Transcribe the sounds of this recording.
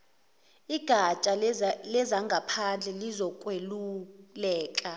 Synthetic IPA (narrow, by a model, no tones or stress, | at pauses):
iɡ̥ʱat͡ʃʼalɛzaŋɡʱapʰand͡ɮʱɛlizɔkʼwelulɛːkʼa